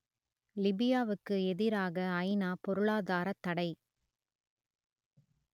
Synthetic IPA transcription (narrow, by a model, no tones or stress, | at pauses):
lɪbɪjaːʋɯkːɯɛðɪɾaːɣɐːɪnaːpɔɾɯɭaːðaːɾɐt̪ːɐɽɐɪ